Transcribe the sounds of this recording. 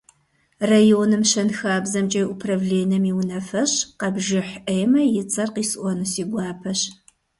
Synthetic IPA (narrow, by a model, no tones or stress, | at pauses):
rajoːnɨmɕɐnxaːbzɐmt͡ʃʼɐjʔupʰrɐvleːnɐmiwnɐfɐɕqɐbʒɪħʔɐjmɐjɪt͡sʼɐrqiːsʔʷɔnɨsiːɡʷɑːpʰɐɕ